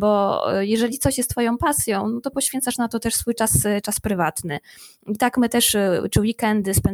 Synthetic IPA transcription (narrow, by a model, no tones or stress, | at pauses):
bɔjɛʐɛlʲit̪sɔɕjɛst̪ːfɔjɔ̃w̃pasʲjɔ̃w̃nɔt̪ɔpɔɕfʲɛnt̪saʂnat̪ɔt̪ɛʂsfujt͡ʂast͡ʂaspɾɘvat̪nɘ | it̪akmɘt̪ɛʂt͡ʂɘwikɛnd̪ɘspɛn